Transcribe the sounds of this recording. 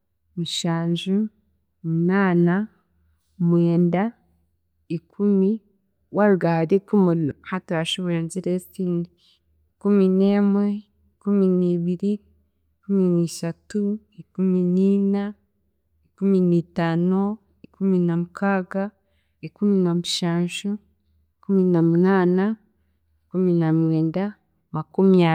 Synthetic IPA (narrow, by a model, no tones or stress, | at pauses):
muʃaːnʒu | munaːna | mweːnda | ikʰumi | waɾuɡaɾekumulhatuaʃuβenziɾesini | ikumineːmwe | ikuminiːβiɾi | ikuminiʃatu | ikuminiːna | ikuminitaːno | ikuminamukaːɡa | ikuminomuʃaːnʃu | ikuminomunaːna | ikuminamweːnda | makumia